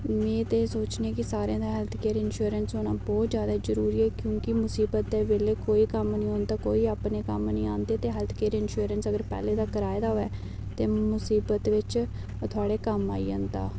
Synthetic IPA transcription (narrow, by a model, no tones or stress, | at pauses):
mẽːt̪eːsoːt͡ʃneeːkɪsaːɾãːd̪aːɦɛːlt̪ʰkeːɾɪnʃuəɾənsɦoːnaːbɔːt̪zjaːd̪azəɾuːɾiːɛːkjõːkɪmʊsiːbət̪̚d̪ɛːʋeːleːkoːiːkəmnĩːɦõːnd̪aːko̰ːiːaːpneːkəmnĩːaːnd̪eːt̪eːɦɛːlt̪ʰkeːɾɪnʃuːɾənsəɡəɾpɛ̰ːleːd̪aːkəɾaːjd̪aːɦoːɛː | t̪eːmʊsiːbət̪ʋɪt͡ʃ | t̪ʰʊaːɽeːkəma̰ːḭːə̃nd̪a̰ː